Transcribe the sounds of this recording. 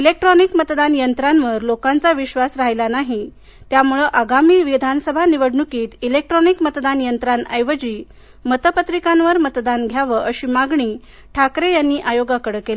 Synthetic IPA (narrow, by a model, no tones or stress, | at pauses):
ilek̚ʈɾɔnikmət̪d̪anjənt̪ɾanʋəɾlokãnt͡saʋiɕʋasɾaɦjlanaɦi | t̪jamuɭəʔəɡamiːʋid̪ʱansəbʱaniʋəɽɳukiːt̪ilek̚ʈɾɔnikmət̪d̪anjənt̪ɾanəjʋəd͡ʑiː | mət̪əpət̪ɾikãnʋəɾmət̪d̪anɡʱjaʋəʔəɕiːmaɡɳiː | ʈʰakɾejanːiːʔajoɡakəɽəkele